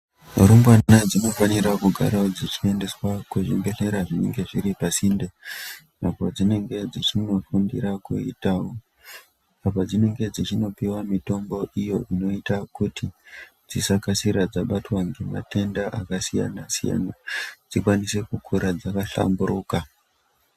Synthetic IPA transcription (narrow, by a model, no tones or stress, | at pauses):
rumbwaad͡zino̞faniɾakuɡʱa̰ɾaod͡zit͡ʃie̞nde̞swakuʐimbe̞ɬe̞ɾaʐineŋɡe̞ʐiɾipasinde | napo̞d͡zine̞ŋɡe̞d͡zit͡ʃino̞fundiɾakuitawo | apad͡zine̞ŋɡe̞d͡zit͡ʃino̞piwamito̞mbo̞ʔijoʔino̞itakuti | d͡zisakasiɾad͡zaɓatwaŋɡema̰te̞ndaʔakasija̰nasija̰nad͡zikwanise̞kukʰuɾad͡zakaɬa̰mbuɾuːka